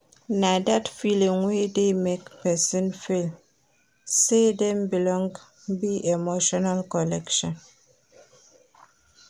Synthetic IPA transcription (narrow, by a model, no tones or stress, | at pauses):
nadatfiliŋwedemekpɛsinfel | sedɛm̩bilɔŋɡ | biʔemoʃɔnalkɔlɛkʃɔ̃n